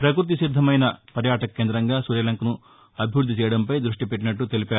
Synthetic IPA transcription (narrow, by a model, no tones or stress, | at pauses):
pɾɐkɾut̪̬isid̪ʱːɐmɐjnɐpɐɾjaːʈɐkːeːnd̪ɾɐŋɡaːsuɾjɐlɐŋkɐnu | ɐbʱijuɾd̪ʱːit͡ʃɛːjɐɽɐmpɐjd̪ɾuʂʈipe̞ʈːinɐʈːut̪e̞lipaːu